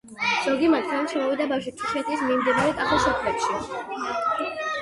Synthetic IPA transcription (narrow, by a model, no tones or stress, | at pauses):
z̥ɔɡimat̪ʰɛnmt͡ʃʰʃʰɛmɔvid̪abawʃ̬it̪ʰiʃɛt̪ʰismimd̪inaɾɛt̪ʼaχɔsɔkʰlɛt̪ʃi